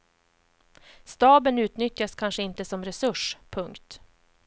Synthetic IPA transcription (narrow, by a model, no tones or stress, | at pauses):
st̪ɑːbənʉ̟ːt̪nʏt̪jaskʰanʂəɪnt̪əsɔmɾɛsɵʂpʰɵŋkt̪